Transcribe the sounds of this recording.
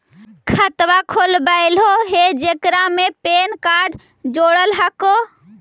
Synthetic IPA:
kʰət̪wakʰolbaɪlɦoɦed͡ʒekɾamepenkaɾɖ | d͡ʒoɽəlɦəko

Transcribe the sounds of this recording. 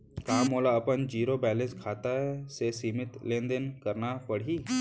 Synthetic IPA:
kãːmoːlaəpənd͡ʒiːɾobɛːlẽnskʰaːt̪aɦɛsesiːmɪt̪lẽːnd̪ənkəɾnapəɽ̤iː

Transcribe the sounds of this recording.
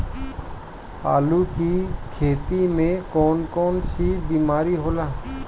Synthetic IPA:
a̰ːluːkiːkʰeːt̪iːmẽːkɔːnkɔːnsibiːmaːɾiɦoːlaː

